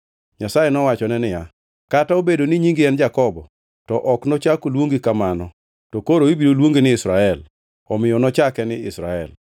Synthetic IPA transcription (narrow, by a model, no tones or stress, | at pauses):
ɲasajɛnɔwat͡ʃɔnɛnɪja | kataobedonɪɲiŋɡɪɛnd͡ʒakɔbɔ | tɔʔɔknɔt͡ʃakolwoŋɡikamanɔ | tɔkoɾoibiɾolwoŋɡinɪɪsɾaɛl | ɔmɪjɔnɔt͡ʃakɛnɪɪsɾa̰ɛ̰l